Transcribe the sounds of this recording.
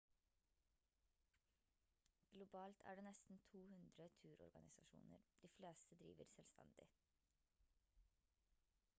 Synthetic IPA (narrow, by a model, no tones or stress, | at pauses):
ɡ̥lʊbɑːlt̪ʰæ̰ːɖeːnɛst̪n̩t̪ʰuːhʉnd̪ɾət̪ʰʉːɾɔ̰ɾɡɑnɪsɑʃṵːnə̰ɾd̪̥iːfleːst̪əd̪ɾḭːʋəɾsɛlst̪ʰɛ̰nd̪ɪ̰